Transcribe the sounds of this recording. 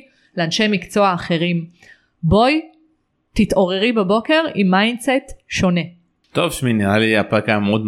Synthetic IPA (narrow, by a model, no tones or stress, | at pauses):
leanʃe̞jmikt͡so̞aːχe̞ʁim | bo̞j | t̪itʔo̞ʁeʁibabo̞ke̞ʁimːajndsetʃo̞ne̞ | t̪ovʃminiʁaliapakamod̪